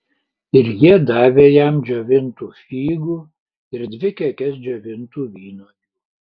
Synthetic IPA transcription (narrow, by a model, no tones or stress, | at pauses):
ɪɾjiɛd̪ɑːʋʲeːjɛmd͡ʒʲoːʋʲɪnt̪uːfʲiːɡuː | ɪɾd̪ʲʋʲɪkʲɛkʲɛs̬d͡ʒʲoːʋʲɪnt̪uːʋʲiːnoː